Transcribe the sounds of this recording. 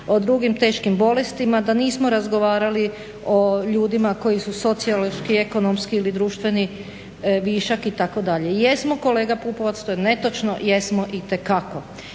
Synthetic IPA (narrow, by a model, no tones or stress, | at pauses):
o̞d̪ɾuɡimt̪e̞ːʃkimbo̞lest̪imad̪aniːsmo̞ɾazɡo̞ʋaːɾali | o̞ʎuːd̪imako̞jisuso̞t̪sialʃkie̞ko̞nomskiːlid̪ɾuːʃt̪ʋe̞ni | ʋiːʃakit̪ako̞d̪aʎejesmo̞ko̞le̞ːɡapuːpoʋat̪st̪ojene̞t̪o̞t͡ʃno̰jesmo̞ʔit̪e̞kako̞